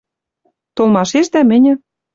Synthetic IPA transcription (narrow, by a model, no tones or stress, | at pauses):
t̪olˠmɑʃeʃd̪æmɘ̆nʲɘ̆